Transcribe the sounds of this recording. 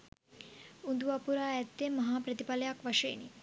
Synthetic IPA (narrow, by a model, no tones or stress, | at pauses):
und̪uʋapuɾaːɛt̪ːemːɐɦaːpɾət̪ipalejakʋaʂɐenḭ